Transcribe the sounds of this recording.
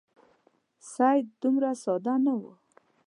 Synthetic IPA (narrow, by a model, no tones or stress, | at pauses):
sajd̪umɾasɑd̪anawu